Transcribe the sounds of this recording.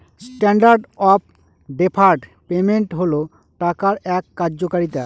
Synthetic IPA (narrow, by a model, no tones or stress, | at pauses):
sʈɛɳɖaɾɖɔp̚ | ɖepʰaɾɖpemeɳʈɦolo | ʈakaɾɛkːaɾd͡ʑokaɾit̪a